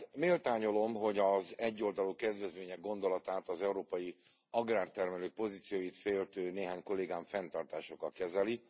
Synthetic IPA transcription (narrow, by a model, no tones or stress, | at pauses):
meːlt̪aːɲo̞lo̞mɦo̞ɟɒzɛɟːo̞ld̪ɒlukɛd̪ʋɛzʋeːɲɛɡo̞nd̪o̞lɒt̪aːt̪ɒzɛuɾoːpɒji | ɒɡraːrt̪ɛrmɛløːk̚po̞ziːt̪sijoːjit̪feːlt̪øːneːɦaːɲko̞leːɡaːɱfɛnt̪ɒrt̪aːʃo̞kːɒkɛzɛli